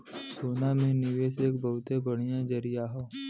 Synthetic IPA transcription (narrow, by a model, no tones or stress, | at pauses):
soːnamẽnɪʋeːseːk̚bəɦʊt̪ebəɽ̤ijãd͡ʒəɾijaɦoː